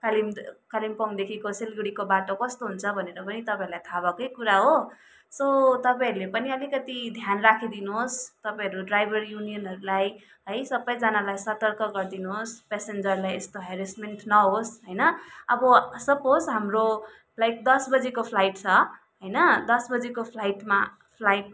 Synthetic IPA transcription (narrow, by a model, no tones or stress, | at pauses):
kalimkalimpʌŋd̪ekʰikoselɡɽikobaʈokʌst̪oɦunt͡sʰʌbʱʌneɾʌpʌnit̪ʌpãĩɾulajt̪ʰabakʌjkuɾaɦo | sot̪ʌpaĩɾulepʌniʌlikʌt̪id̪ʱjanrakʰid̪inuɦost̪ʌpãʌɾuɖrajbʱʌrjunijʌnɦʌɾulaj | ɦʌjsʌbʌjd͡zanalajsʌt̪ʌrkʌɡʌrd̪inuɦospesend͡zʌrlajḛst̪oɦeɾismeɳʈnʌɦosɦʌjnʌʌbʌsʌpod͡zɦamro | lajk̚d̪ʌsbʌd͡zikopʰlajʈt͡sʰʌ | ɦʌjnʌd̪ʌsbʌd͡zikopʰlajʈma | pʰlajʈ̚